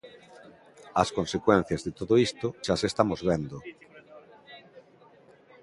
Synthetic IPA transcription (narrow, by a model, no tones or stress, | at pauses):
ɐskõnsekwẽn̟θjazðet̪oðoist̪oʃasest̪amozβend̪o